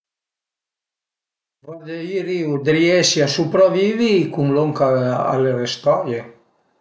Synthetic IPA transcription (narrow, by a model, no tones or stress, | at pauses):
vad̪eiɾiud̪ɾiɛsiasupɾɔvivikuŋloŋkaa̰lerest̪ɔje